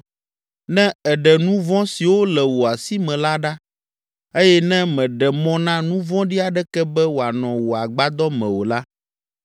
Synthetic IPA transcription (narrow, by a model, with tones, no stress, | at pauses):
nɛ̃˦ɛ˨ɖɛ˨nũ˦vɔ̃˦si˨wo˦lɛ˨wo˨a˨si˦mɛ̃˨la˦ɖa˦ | e˦jɛ˦nɛ̃˦mɛ̃˨ɖɛ˨mɔ̃˦nã˦nũ˦vɔ̃˦ɖi˦a˨ɖɛ˦kɛ˦bɛ˦wo˨a˨nɔ̃˨wo˨a˨ɡ͡ba˦d̪ɔ˦mɛ̰̃˨wo˨la˦